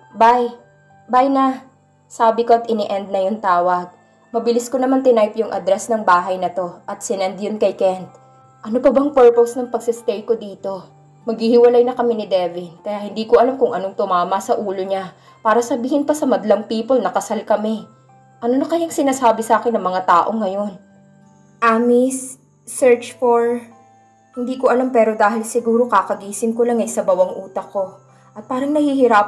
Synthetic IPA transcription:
baj | bajnɐ | saːbɪkoʔɐt̪ʔɪnɪʔɛnd̪̚nɐjʊŋt̪aːwɐɡ̚ | mɐbɪlɪsko̞nɐmant̪ɪnajpjʊŋʔɐ̰d̪ɾɛsnɐŋbaːɦɐjnɐt̪o̞ʔɐt̪̚sɪnɛnd̪jonkɐjkɛnt̪ | ʔɐnopɐbɐŋpɛɹposnɐŋpɐɡsɪst̪ɛjkod̪iːt̪o̞ | mɐɡhihɪwɐlajnɐkɐmɪnɪd̪ɛvɪnkɐjahɪnd̪iːkoʔɐlamkʊŋʔɐnoŋt̪ʊmaːmɐsɐʔuːlo̞ɲa | paːɾɐsɐbiːhɪnpɐsɐmɐd̪ɐlɐŋpiːpolnɐkɐsalkɐmɛ | ʔɐnonɐkɐjaŋsɪnaːsaːbɪsaːkɪnːɐŋmɐŋat̪aːʔo̞ŋɐjo̞n | ʔaːmisː | ɛɹt͡ʃfoɹ | hɪnd̪iːkoʔɐlampɛːɾo̞d̪aːɦɪlsɪɡuːɾo̞kakɐɡiːsɪnkolaŋɐjsɐbɐwɐŋʔuːt̪ɐko̞ | ʔɐt̪̚paːɾɐŋnɐhiːhɪɾap

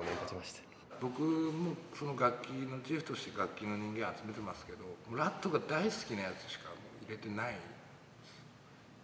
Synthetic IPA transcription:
onet̪at̪imaɕi̥t̪ḁ | bo̞kɯ̟mo̞ːso̞no̞ɡakʲːino̞t͡ɕiɸɯ̟t̪o̞ɕi̥t̪e̞ɡakʲːino̞ɲ̟ĩŋɡẽ̞ɰ̃at͡sɨme̞t̪e̞masɨ̥ke̞d̪o̞moɾat̪ːo̞ɡad̪aisɨ̥kʲinajat͡sɨ̥ɕi̥kamo̞ːiɾe̞t̪e̞nai | sɨ̥

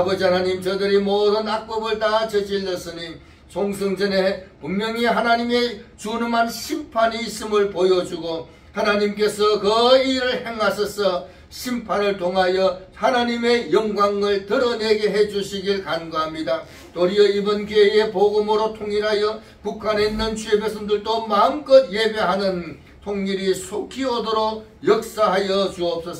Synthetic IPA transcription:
abʌd͡ʑiɦanaɲimt͡ɕʌdɯɾimoːdɯnak̚p͈ʌbɯɭtat͡ɕʌd͡ʑilːʌs͈ɯɲi | sʰoŋsʰʌŋd͡ʑʌnepummjʌŋiɦanaɲime̞t͡ɕunɯmɦanɕʰimpʰaniːs͈ɯmɯɭpojʌd͡ʑuɡo | hanaɲimk̬͈e̞sʰʌkɯiɾɯɭhe̞ŋɦaɕʰʌsʰʌ | ɕʰimpʰanɯɭtʰoŋɦajʌhanaɲime̞jʌŋɡwaŋɯɭtɯɾʌne̞ɡe̞ɦe̞d͡ʑuɕʰiɡiɭkanɡaɦamɲida | t̪͈oɾiʌibʌnkeepoɡɯmɯɾotʰoŋiɾɦajʌ | pukʰane̞inːɯnt͡ɕʰuebesʰʌndɯɭtomaɯnk͈ʌd̚je̞be̞ɦanɯn | tʰoŋɲiɾisʰokʰiodoɾok̚jʌk̚s͈aɦajʌd͡ʑuʌp̚s͈ʌs

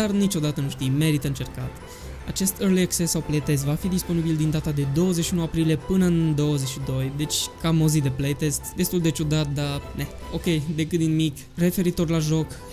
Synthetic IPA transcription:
d̪arnit͡ʃo̞d̪at̪ənuʃt̪ijme̞ɾit̪əɨnt͡ʃe̞rka̰t̪ | at͡ʃe̞st̪erliaksesːawple̞jt̪e̞s̬vafid̪ispo̞nibild̪ind̪at̪ad̪e̞d̪o̞wəzeʃiunuapɾilije̞pɨnəɨnd̪o̞wəze̞ʃid̪o̞jd̪e̞t͡ʃʲkamozid̪e̞plejt̪e̞st̪d̪e̞st̪uld̪e̞t͡ʃud̪at̪̚d̪ane | o̞kʲe̞jd̪e̞kɨt̪d̪inmikʲ | re̞fe̞ɾit̪o̞rlaʒo̞k

